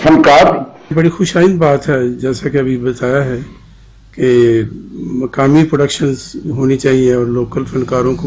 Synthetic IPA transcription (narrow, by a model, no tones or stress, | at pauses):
sə̃nkaːɾ | bɐɽixʊʃaːĩnd̪baːt̪ɦɛd͡ʒɛːsakeɐbʱibɐt̪aːjaɦɛ | ke | mɐkaːmipɾoɖəkʃənzɦoːnit͡ʃaːɦiẽɔːɾloːkəlsɐ̃nkaːɾõko